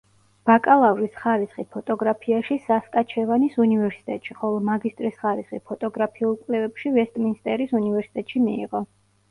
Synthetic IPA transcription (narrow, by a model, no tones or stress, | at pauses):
b̥akʼalˠavɾisχaɾisχipʰɔt̪ʼɔɡɾapʰiaʃisaskʼat͡ʃʰɛvanisunivɛɾsi̥t̪ʼɛt̪ʼʃiχɔlˠɔmaɡist̪ʼɾisχaɾisχḭpʰɔt̪ʼɔɡɾapʰiulˠkʼlɛvɛpʃivɛst̪ʼminst̪ʼɛɾisunivɛɾsi̥t̪ʼɛt̪ʼʃimiːʁɔ